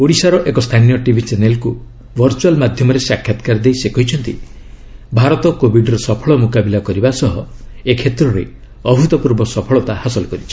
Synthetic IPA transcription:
oɽisaɾɔʔekɔst̪ʰanijɔʈibʱit͡ʃenelku | bʱɔɾt͡ʃualmad̪ʱjɔmɔɾesakʰːjat̪kaɾd̪ejsekɔɦit͡ʃʰɔnt̪i | bʱaɾɔt̪ɔkobiɖɔɾɔsɔpʰɔɭɔmukabilakɔɾibasɔɦɔekʰet̪ɾɔɾe | ɔbʱut̪ɔpuɾbɔsɔpʰɔɭɔt̪ahasɔlɔkɔɾit͡ʃʰi̥

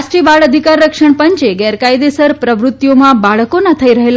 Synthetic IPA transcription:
sʈɾibaɭəd̪ʱikaɾːəkʂəɳpəɲt͡ʃeɡɛɾkajd̪esəɾpɾəʋɾut̪jomãbaɭkonat̪ʰəiɾəɦela

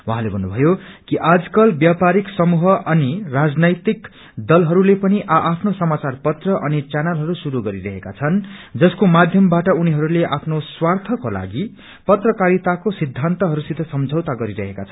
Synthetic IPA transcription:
waɦãlebʱʌnːubʱʌjokiʔad͡zkʌlbjapaɾiksʌmuɦʌʔʌnirad͡znʌjt̪ik | d̪ʌlɦʌɾulepʌniʔaʔapʰnosʌmat͡sarpʌt̪rʌʔʌnit͡sanalɦʌɾusuɾuɡʌɾiɾʌɦeka̰t͡sʰʌnd͡zʌskomad̪ʱjʌmbaʈʌuniɦʌɾuleʔapʰnoswart̪ʰʌkola̰ɡi | pʌt̪rʌkaɾit̪akosid̪ʱːant̪ʌɦʌɾusid̪ʱʌsʌmd͡zʱʌwt̪aɡʌɾiɾʌɦekat͡sʰʌn

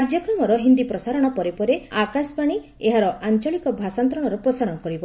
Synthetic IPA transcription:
ɾd͡ʒjɔkɾɔmɔɾɔɦind̪ipɾɔsaɾɔɽ̃ɔpɔɾepɔɾeakaspaɽ̃i | eɦaɾɔʔant͡ʃɔɭikɔbʱasant̪ɾɔɽ̃ɔɾɔpɾɔsaɾɔɽ̃ɔkɔɾibɔ

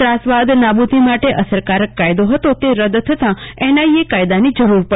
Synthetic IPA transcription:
ɾasʋad̪nabud̪ʱimaʈeʔəsəɾkaɾəkːajd̪oɦət̪ot̪eɾəd̪t̪ʰət̪ãenaiekajd̪anid͡ʒəɾuɾpə

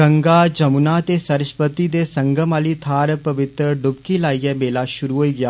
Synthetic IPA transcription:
ɡɐ̃ŋɡad͡ʒɐmunat̪esɐɾɪʃpət̪id̪esɐ̃ŋɡəmaːlit̪ʰaːɾpɐʋɪt̪ɾəɖʊb̚kilaːijəbeːlaʃʊɾuɦoːiɡɐjaː

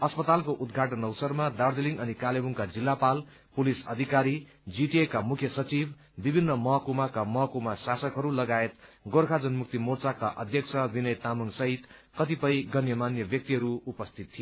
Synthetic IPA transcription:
ʌspʌt̪alkoʔud̪ɡʱaʈʌnʌwsʌrmad̪ard͡zeliŋɡʌnikalebuŋkad͡zilːapal | pulisʌ̰d̪ʱikaɾi | d͡ziʈiekamukʰjʌsʌt͡sib | bibʱinːʌmʌɦkumakamʌɦkumasasʌkɦʌɾulʌɡaet̪ɡorkʰad͡zʌnmuk̚t̪imort͡sakaʔʌ̰d̪ʱjʌksʰʌbinʌjt̪amʌŋsʌɦit̪kʌt̪ipʌjɡʱʌnjʌmanjʌbjʌk̚t̪iɦʌɾuupʌst̪ʰit̪ʰːi

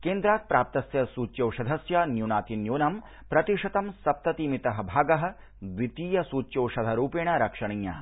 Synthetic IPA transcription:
keːnd̪ɾaːt̪̚pɾaːp̚t̪ɐsjɐsuːt͡ʃːjɐwʃɐd̪ʱɐsjɐnjunaːt̪injuːnɐm | pɾɐt̪iʂɐt̪ɐmsɐp̚t̪ɐt̪iːmit̪ɐɦɐ̆bʱaːɡɐɦɐ̆ | d̪ʋit̪iːjɐsuːt͡ʃːjɐwʃɐd̪ʱɐɾuːpeːɳɐɾɐkʂɐɳɐjːɐ̰ː

